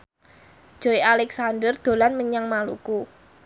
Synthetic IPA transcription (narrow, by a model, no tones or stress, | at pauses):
ʒ̥o̤ialɛksandərd̪̥o̤lanməɲaŋmaluku